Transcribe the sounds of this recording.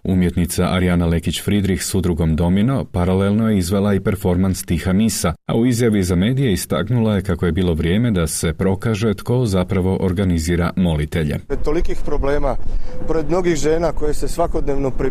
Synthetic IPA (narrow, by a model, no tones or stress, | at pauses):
ṵmjet̪nit̪saʔaɾijanale̞kit͡ɕfɾid̪ɾixsud̪ɾuɡo̞md̪o̞mino̞paɾalelˠno̞je̞izʋe̞lˠaipe̞ɾfo̞ɾmanst̪ixamisaa̰uizjaʋizame̞ːd̪ije̞ist̪a̰knulaje̞kakoje̞biːlˠo̞ʋɾje̞ːme̞d̪ase̞pɾo̞kaʒe̞t̪ko̞zapɾaʋo̞ʔoɾɡaniziːɾamo̞lit̪e̞ʎe̞̰et̪olikiːxpɾobleːmapoɾed̪mno̞ɡiɣʒeːnakojesesʋakod̪neʋnopɾi